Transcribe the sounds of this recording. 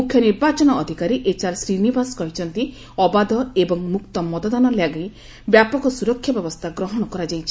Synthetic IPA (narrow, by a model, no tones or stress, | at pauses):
mukʰjɔniɾbat͡ʃɔnɔːd̪ʱikaɾiʔet͡ʃaɾsɾinibaskɔɦit͡ʃʰɔnt̪i | ɔbad̪ɔebɔŋmukt̪ɔmɔt̪ɔd̪anɔljaɡaj | bjapɔkɔsuɾɔkʰjabjɔbɔst̪ʰaɡɾɔɦɔɽ̃ɔkɔɾad͡ʒajt͡ʃʰi̥